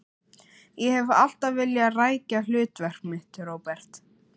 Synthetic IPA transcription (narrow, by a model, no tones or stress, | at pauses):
jɛhɛva̰l̥t̪avvɪljaraːjcal̥ʏːt̪vɛr̥kmɪht̪ʏɾoːwpɛr̥t̪